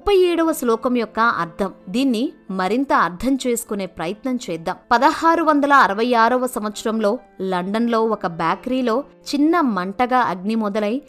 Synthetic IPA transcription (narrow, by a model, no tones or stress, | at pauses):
mupːɐjɛːɽɐʋɐslɔːkɐmjɔkːɐɐ̰ɾd̪ʰʱɐmd̪iːnːimɐɾint̪ɐːɾd̪ʰʱɐmt͡ʃe̞ːsu̥kune̞ːpɾɐjɐt̪nɐmt͡ʃɛːd̪ːaːmpɐd̪ɐhaːɾuʋɐnd̪ɐlɐːɾɐʋɐjaːɾɐʋɐsɐmʋɐt̪sɐɾɐmlo̞ː | lɐɳɖɐnlo̞ːɔkɐbjaːkɐɾiːlo̞ː | t͡ʃinːɐmɐɳʈɐɡaːʔɐɡnimɔd̪ɐlɐj